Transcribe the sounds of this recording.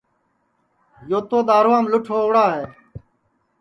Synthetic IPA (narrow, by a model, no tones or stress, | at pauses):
joːt̪oːd̪aːɾʋãːmlʊʈʰoːɽaːɦeː